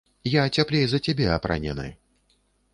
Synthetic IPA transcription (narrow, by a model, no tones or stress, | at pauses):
jat͡sʲaplʲejzɐt͡sʲabʲɛɐpɾa̰nʲɛ̰nɨ̰